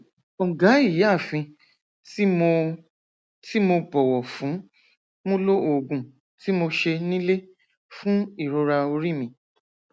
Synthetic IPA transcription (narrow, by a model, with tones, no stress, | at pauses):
ɔ˨ɡa˨˦i˦˨ji˨˦a˦˨fĩ˧ | tm˧ | ti˦mo˧bɔ˨wɔ˨fũ˨˦ | mũ˦lo˦o˨ɡũ˨ | ti˨˦mo˧ʃe˧nĩ˦le˦ | fũ˦i˦˨ɾo˧ɾa˧o˧ɾi˦˨mĩ˧